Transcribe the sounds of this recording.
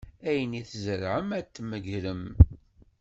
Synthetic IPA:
æjəniθzəɾʕəmæt̪ːməʝɾəm

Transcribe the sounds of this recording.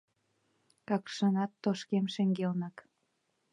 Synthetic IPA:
kɑkʃənɑt̪ːoʃkemʃĕŋɡelnɑk

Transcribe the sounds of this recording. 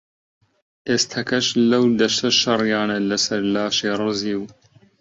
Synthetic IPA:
ʔeːst̪ʰɐkʰɐʃlɐwd̪ɐʃt̪ʰɐʃɐrˤjɑːnɐlɐsɐɾlaːʃeːrˤɨziːw

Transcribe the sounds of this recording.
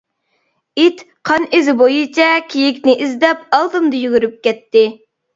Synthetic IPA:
it̪ | qʰɑnizɪbojit͡ʃʰɛkʲʰejikʲnɪʔizd̪ɛpɑlˠt̪ɨmd̪ɨjyɡʲyɾyp̚kʲɛt̪ːɪ

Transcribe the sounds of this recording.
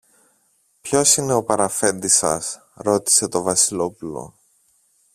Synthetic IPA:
pço̞sine̞o̞pɐɾɐfe̞nd̪isɐ̰s | ɾo̞t̪i̥se̞t̪o̞vɐsilo̞pulo̞̰

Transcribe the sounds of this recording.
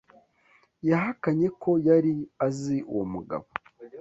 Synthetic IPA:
jaɦakaɲe̞kʰo̞jaɾiaziṵwomuɡa̰βo

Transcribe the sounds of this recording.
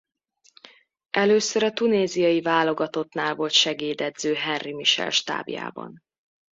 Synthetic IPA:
ɛløːsøɾɒt̪uneːzijɒjivaːlo̞ɡɒt̪o̞t̪naːlvo̞lt̪ʃɛɡeːd̪ɛd̪zøːɦɛrrimiʃɛ̰lʃt̪a̰ːbja̰ːbɒ̰n

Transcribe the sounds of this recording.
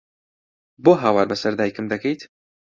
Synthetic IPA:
boːɦaːwaːɾbɐsɐɾd̪aːjkɨmd̪ɐkʰejt̪

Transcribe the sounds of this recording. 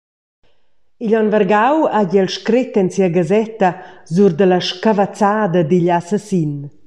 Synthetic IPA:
iʎɔnvərɡawaɟɛlʃkɾet̪ɛnsiaɡazɛt̪azuɾd̪əlaʃkavat͡saːd̪ad̪iʎasasin

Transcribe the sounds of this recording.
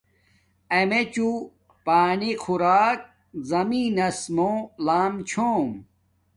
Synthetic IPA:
ɐmet͡ɕu | paːnixʰuɾaːk̚ | zɐmiːnɐsmoːlaːmt͡ɕʰoːm

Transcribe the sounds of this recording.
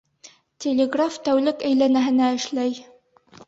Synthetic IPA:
t̪ʲʰelʲeɡraft̪æwlɘkæjlænæɦɘ̆næɘ̆ʃlæj

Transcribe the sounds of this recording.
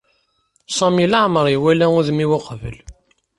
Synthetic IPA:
sˤɑmilaʕməɾˤiwælæʊðmiwʊqvə̰l

